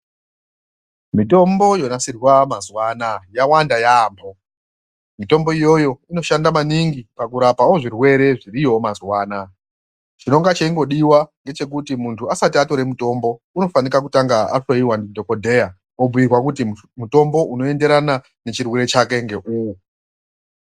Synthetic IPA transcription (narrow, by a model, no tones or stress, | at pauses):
mito̞mbo̞jo̞nasirwamazwaːnajawandajaːmbo | mito̞mbo̞ijo̞jo̞ino̞ʃandamaniŋɡipakuɾapaoʐirwe̞ɾe̞ʐirijo̞mazwaːna | t͡ʃino̞ŋɡat͡ʃeiŋɡo̞ɗiwaŋɡe̞t͡ʃe̞k̬utimuntʰuasatiato̞ɾe̞muto̞mbo̞ | uno̞fanikak̬utaŋɡaaʂoiwandidʱo̞ko̞dʱe̞ja | ob͡vujirwakuti | muto̞mbo̞ʔuno̞e̞nde̞ɾana | ne̞t͡ʃirweɾe̞t͡ʃake̞ŋɡe̞ʔuwu